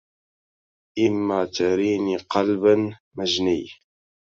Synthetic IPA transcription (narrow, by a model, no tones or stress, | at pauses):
ʔɪmːaːt̪aɾiːniːqɑlban | maʒnij